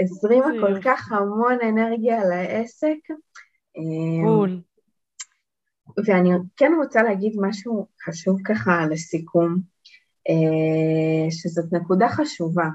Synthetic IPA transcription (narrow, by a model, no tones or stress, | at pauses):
ezʁimako̞lkaχhamo̞ne̞ne̞ʁɡjalaʔe̞se̞k | em | veanikɛnʁot͡saleɦaɡid̪maʃuχaʃuvkaχalesikʰum | e | ʃezo̞tnekudaχaʃuva